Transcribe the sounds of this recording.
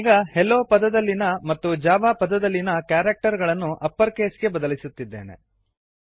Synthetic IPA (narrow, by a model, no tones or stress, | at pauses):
iːɡɐhɛlːoːpɐd̪ɐd̪ɐlːinɐmɐt̪ːud͡ʒaːʋaːpɐd̪ɐd̪ɐlːinɐkjaːɾɐk̚ʈɐɾɡɐɭɐnːuʔɐpːɐɾke̞ːsɡe̞bɐd̪ɐlisut̪ːid̪ːe̞̰ːne̞̰